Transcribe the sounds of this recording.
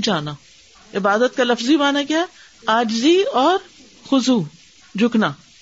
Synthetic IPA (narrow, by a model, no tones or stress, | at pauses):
d͡ʒaːnaː | ɪbaːd̪ət̪̚kalɐfzimaːnaɡjaɛ | aːd͡ʒɪziɔːɾ | xʊzuː | d͡ʒʱʊknaː